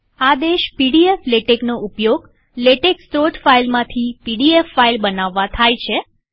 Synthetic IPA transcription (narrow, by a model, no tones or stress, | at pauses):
ad̪eʃpiɽiefleʈeknoʔupjoɡ | leʈekst̪ɾoʈfailmãt̪ʰipiɖiefːailbənaʋːãt̪ʰajt͡ʃʰe